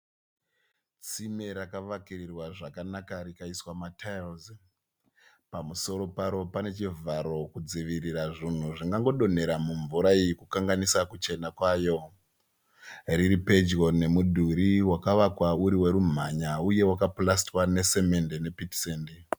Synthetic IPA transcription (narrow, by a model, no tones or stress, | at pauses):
t͡simeɾakaʋakirirwaʐakanakaɾikaiswamatʰalz | pamuso̞ɾo̞paɾo̞pane̞t͡ʃivaɾo̞kud͡ziʋiriraʐin̤uʐiŋɡaŋɡo̞ɗo̞ne̞ɾamuɱvuɾaijikukaŋɡanisakut͡ʃe̞nakwaːjo̞ | riɾipe̞d͡ʒɣo̞ne̞mudʱuɾiwakaʋakwauɾiwe̞ɾum̤aɲauje̞wakaplastwane̞se̞me̞ndene̞pitseːndi